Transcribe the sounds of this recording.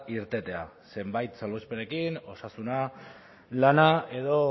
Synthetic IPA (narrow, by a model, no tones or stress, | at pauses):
iɾt̪e̞t̪e̞a | se̞mbajt̪salβospe̞ne̞kino̞sasuna | lanae̞ðo̞